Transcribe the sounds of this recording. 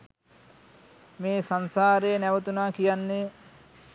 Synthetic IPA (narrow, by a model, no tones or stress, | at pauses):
meːsansaːɾejːnæʋət̪unaːkijanːe